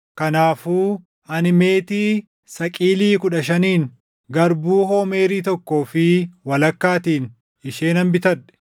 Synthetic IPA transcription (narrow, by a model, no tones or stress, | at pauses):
kɐnaːfuː | ɐnɪme̞ːt̪iː | sɐkʼiːliːkʊᶑɐʃɐniːn | ɡɐɾbuːhoːme̞ːɾiːt̪ɔkːo̞ːfɪwɐlɐkːaːt̪iːn | ɪʃe̞ːnɐmbɪt̪ɐɛ̥